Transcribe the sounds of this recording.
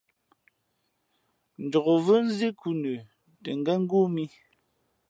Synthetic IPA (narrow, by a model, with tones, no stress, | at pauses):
n̩˨dɔ˨ɣo˨və˦n̩˦zi˦ku˦nʉ˨ | tə˨ŋ˨ɡɛ˦ŋ̩˦ɡu˦mi˦